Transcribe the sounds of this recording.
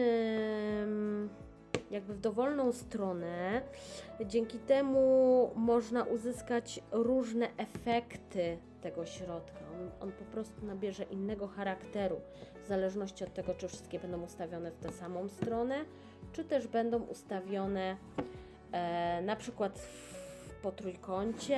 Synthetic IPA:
jaɡ̚bɘvd̪ɔvɔlnɔ̃w̃st̪ɾɔnɛ | d͡ʑɛŋkʲit̪ɛmumɔʐnaʔuzɘskat͡ɕɾuʐnɛʔɛfɛkt̪ɘt̪ɛɡɔɕɾɔt̪kaɔnɔ̰npɔpɾɔst̪unabʲjɛʐɛʔinːɛɡɔxaɾakt̪ɛɾu | vzalɛʐnɔɕt͡ɕiɔt̪ːɛɡɔt͡ʂɘfʂɘ̥st̪kʲɛbɛnd̪ɔ̃w̃ust̪avʲjɔnɛft̪ɛsamɔ̃w̃st̪ɾɔnɛ | t͡ʂɘt̪ɛʐbɛnd̪ɔ̃w̃ʔṵst̪avʲjɔnɛ | napʂɘkwat̪ | pɔt̪ɾujkɔɲt͡ɕɛ

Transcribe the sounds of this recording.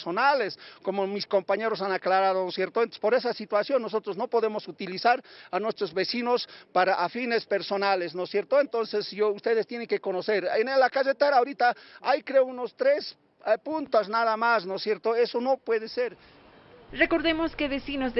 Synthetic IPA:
sonaleskomomisko̞mpaɲe̞ɾosanaklaɾaðonosje̞ɾt̪oespo̞ɾe̞s̬asit̪wasjo̞nːos̬o̞t̪ɾozno̞po̞ðe̞mosut̪ilisaɾanwe̞st̪ɾozβesinospaɾaʔafine̞spe̞ɾso̞nalesnosje̞ɾt̪oent̪o̞nsesʝoust̪e̞ðest̪jeneŋke̞ko̞noseɾenelakaset̪eɾaoɾit̪aajkɾeounost̪ɾes | punt̪osnaðamasnosje̞ɾt̪oe̞sono̞pwe̞ðeseɾ | reko̞ɾðemoskeβesinoz

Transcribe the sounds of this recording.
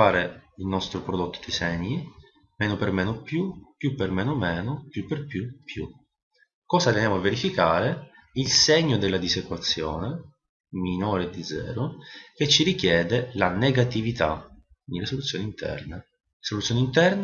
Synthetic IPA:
aːɾeilnɔst̪ɾopɾod̪ot̪ːo̥d̪isɛɲːi | mɛːnopermɛːnopjupjupːermɛːnomɛːnopjupːerpjupːjṵ | kɔːzat̪enjaːmoavːeɾifikaːɾe | ilsɛɲːod̪elːad̪isekwat̪sːjɔ̰ːne | minoːɾed̪id̪zːɛ̰ːɾok̟et͡ʃːirikjɛːd̪elaneɡat̪ivit̪a̰kkind̪ilesolut̪sːjoːnint̪ʰɛ̰rne | solut̪sjoːnint̪ɛrn

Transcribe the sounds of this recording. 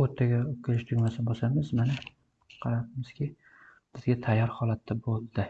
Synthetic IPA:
ot̪ʰːaɡʲaokʲʰɪlɪʃt̪ʰʊŋʲmasɪnbosamɪzmana | qʰɑɾap̚ɪmɪz̥kʲʰɪ | b̥ɪzɡʲat̪ʰajːɒɾhɒlˠat̪ʰːabolˠd̪ɪ

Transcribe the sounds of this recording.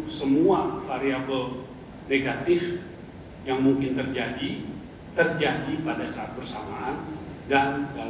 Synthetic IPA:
səmuafaɾiabəl | neɡat̪ɪf | jaŋmuŋkɪnt̪ərd͡ʒadi | t̪ərd͡ʒadipadasaːt̪̚bərsamaːndanda

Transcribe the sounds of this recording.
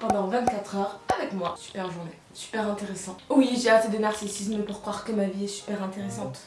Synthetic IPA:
pɑ̃d̪ɑ̃vɛ̃t̪̚kat̪χœʁavɛkmwasy̥pɛʁʒunɛ | sy̥pɛʁɛ̃t̪eʁesɑ̃wiʒeat̪ed̪ənaʁsisisməpuʁkχwaʁkəmaviɛsy̥pɛʁɛ̃t̪eʁesɑ̃t̪

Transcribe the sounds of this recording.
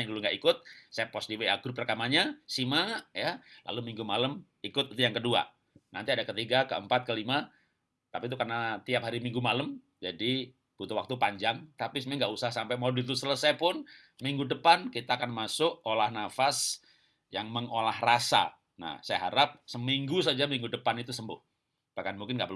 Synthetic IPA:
aŋduluŋɡaʔikʊt̪̚sajapɔsdiweaɡɾuprərkamaɲasimajalʔa̰lumiŋɡumaləm | ikʊt̪it̪ujaŋkədua̰ | na̰nt̪iadakət̪iɡakəəmpat̪̚kəlima | t̪apit̪̬ukarnat̪iap̚hɦaɾimiŋɡumaləm | d͡ʒadi | b̥ut̪uwa̰k̚t̪upaɲd͡ʒaŋt̪apisəmɛŋɡaʔusaɦasampɛmodut̪usələsajpʊnsəmiŋɡudəpankit̪aːkanmasʊʔolahnafas | jaŋməŋolahrasa̰ | na̰hsajaɦaɾap̚səmiŋɡus̬ad͡ʒamiŋɡudəpanit̪usəmbʊ̰h | b̥ahkanmuŋkɪnɡaʔpərl

